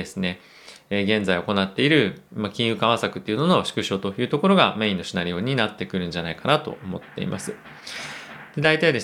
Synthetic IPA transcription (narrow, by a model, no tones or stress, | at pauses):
e̞sɨne̞ | eɡẽ̞nzaio̞ko̞nat̪ːe̞iɾɯ̟makʲĩɰ̃jɯ̟ːkaβ̞asakɯ̟t̪ːeiɯ̟no̞no̞ɕi̥kɯ̟ɕo̞ːt̪o̞jɯ̟ːt̪o̞ko̞ɾo̞ɡame̞ːĩnːo̞ɕinaɾʲijo̞ːɲ̟inat̪ːe̞kɯ̟ɾɯ̟̃nɲd͡ʑanaikanat̪o̞̰omo̞t̪ːe̞̰ḭmʔa̰sɨ | d̪̥e̞d̪ait̪aid̪e̞